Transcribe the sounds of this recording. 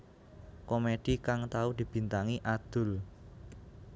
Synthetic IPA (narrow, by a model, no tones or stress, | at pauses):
komed̪̥ikaŋt̪aud̪̥i̤b̥i̤nt̪aŋiʔad̪̥ʊ̤l